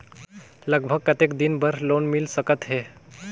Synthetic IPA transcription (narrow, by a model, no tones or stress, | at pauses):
ləɡbʱəɡ̚kət̪ekd̪inbəɾlonmilsəkət̪ɦe